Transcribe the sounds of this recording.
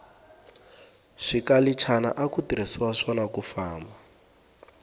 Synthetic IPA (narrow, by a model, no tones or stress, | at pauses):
ʂikalit͡ʃʰana̰ʔakutiɾisiwaʂɔnakufaːmba